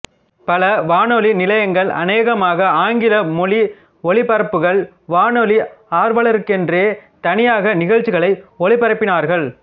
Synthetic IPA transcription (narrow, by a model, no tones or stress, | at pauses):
pɐlɐʋaːnɔlinɪlɐjɐŋɡɐɭʔɐ̰neːɣɐmaːɣɐaːŋɡɪlɐmɔli | ɔɭɪpɐɾɐpːɯɣɐɭ | ʋaːnɔliaːɾʋɐɭɐɾɯkːɛndreːt̪ɐnɪjaːɣɐnɪɣɐɻt͡ʃɪɣɐɭɐɪɔɭɪpːɐɾɐpːɪnaːɾɣɐɭ